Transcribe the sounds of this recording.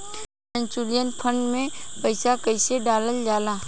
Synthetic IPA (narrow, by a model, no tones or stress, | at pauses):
ə̃ɲt͡ʃulijənpʰə̃ɳɖmẽpəɪsakəɪseɖaːləld͡ʒaːlãː